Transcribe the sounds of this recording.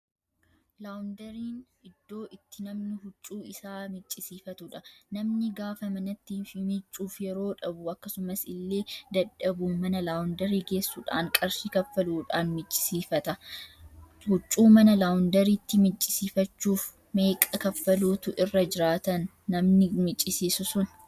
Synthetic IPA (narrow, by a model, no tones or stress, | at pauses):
lawʊnd̪ɐɾiːn | ɪd̪̥ːo̞ːʔɪt̪ːɪnɐmnɪhʊt͡ʃʼːuːɪsaːmɪt͡ʃʼːɪsiːfɐt̪ʊᶑɐnɐmnɪɡaːfɐmɐnɐt̪ːiːfɪmɪt͡ʃʼːuːfjɛɾo̞ːᶑɐbʊɐkːɐsʊmɐsɪlːe̞ːd̪ɐᶑːɐbuːmɐnɐlaːwʊnd̪ɐɾiːɡe̞ːsːuːᶑa̰ːŋkʼɐɾsikɐfːɐluːᶑaːnmɪt͡ʃʼːɪ̥siːfɐt̪ɐ | hʊt͡ʃʼːuːmɐnɐlaːwʊnd̪ɐɾiːt̪ːɪmɪt͡ʃʼːɪsiːfɐt͡ʃːuːf | me̞ːkʼɐkɐfːɐluːt̪ʊʔɪrːɐd͡ʒɪɾaːt̪ɐnː | ɐmnɪmɪt͡ʃʼːɪsiːsʊsʊn